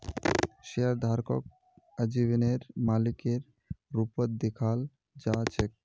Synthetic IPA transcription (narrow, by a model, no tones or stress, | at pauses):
ʃeaɾd̪ʱaɾko̰k̚ | əd͡ʑiβineɾmalikeɾː | upot̪̚d̪ikʰal | d͡ʑat͡ɕʰek̚